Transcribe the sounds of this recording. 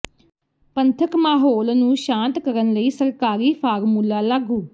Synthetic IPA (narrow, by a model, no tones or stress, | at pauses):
pənt̪ʰəkmaːɦoːlnũːʃãːnt̪kəɾənləiːsəɾkaːɾiːpʰaːɾmuːlːaːlaɡuː